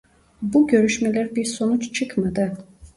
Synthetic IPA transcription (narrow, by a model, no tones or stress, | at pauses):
buɟø̞ɾyʃmɛlʲæɾbiɾsonut͡ʃt͡ʃʰɯkmad̪ɯ